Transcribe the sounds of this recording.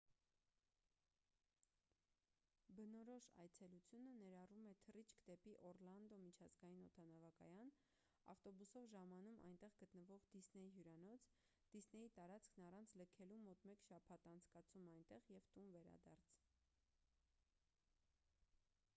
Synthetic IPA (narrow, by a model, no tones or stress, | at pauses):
bənɔɾɔʃɑ̰jt͡sʰɛlut͡sʰjunənɛɾɑrumɛt̪ʰərit͡ʃʰkd̪ɛpiʔɔrlɑnd̪ɔmit͡ʃʰɑzɡɑjinɔt̪ʰɑnɑvɑkɑjɑn | ɑ̰ft̪ɔbusɔvʒɑmɑnumʔɑ̰jnt̪ɛʁɡət̪nəvɔʁd̪̥isnɛjɦjuɾɑnɔt͡sʰ | d̪̥isnɛjit̪ɑɾɑt͡skʰnɑrɑnt͡sʰləkʰɛlumɔt̪mɛkʃɑpʰɑt̪ɑnt͡sʰkɑt͡sʰumɑjnt̪ɛʁjɛvt̪unvɛɾɑ̰d̪ɑɾt͡sʰ